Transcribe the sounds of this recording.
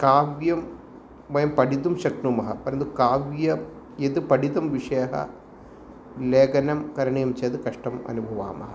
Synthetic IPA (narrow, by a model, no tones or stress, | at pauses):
kaːʋjɐm | ʋɐjɐmpɐɽid̪umʃɐknumɐɦɐpɐɾɐnd̪ukaːʋjɐ | jed̪upɐɽid̪ɐmʋiʂɐjɐɦɐ̰ | leːɡɐnɐmkɐɾɐɳijɐmt͡ʃeːd̪ɨkɐʂʈɐmɐ̰nubʱɐʋa̰ːmɐɦɐ